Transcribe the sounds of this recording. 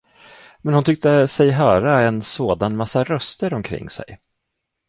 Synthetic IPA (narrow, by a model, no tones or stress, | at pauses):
mɛnhʊnt̪ʏk̚t̪əsɛjɦœːɾaɛnsoːd̪anmasːaɾœst̪əɾɔmkʰɾɪ̰ŋːsɛ̰j